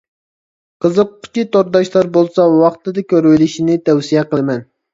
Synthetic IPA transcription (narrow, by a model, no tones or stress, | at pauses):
qəzəqːʊ̥t͡ʃʲit̪oɾd̪ɑʃlˠɑɾbolˠsɑwɑχt̪ɨd̪ɪkʲøɾwɪlɪʃinɪt̪ʰɛwsijɛqəlˠmɛn